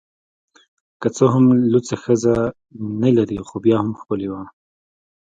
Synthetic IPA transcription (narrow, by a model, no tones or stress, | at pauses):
kat͡soɦʊmlut͡saxəza | nalɐɾixobjɑːhʊmxpəliwa